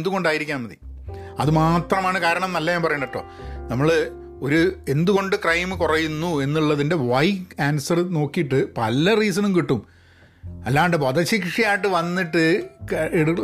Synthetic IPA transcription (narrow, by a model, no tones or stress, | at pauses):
nd̪uɣo̞ɳɖaːjiɾikʲːaːnmɐðḭ | ɐ̰ðɨmaːt̪rɐmaːɳɨkaːɾɐɳɐmnɐlːɐjaːmpɐrɐjuɳɖɐʈːo̞̰ː | nɐmːɐɭɨ | o̞ɾue̞nd̪uɣo̞ɳɖɨkrɐjmɨkurɐjunːue̞nːuɭːɐðinde̞ʋɐjaːnsɐrno̞ːkːijiʈːɨpɐ̰lːɐriːs̬ɐnumkiʈːum | ɐlːaːɳɖepɐðɐɕikʂɐjaːjʈːɨʋɐnːiʈːɨeɽu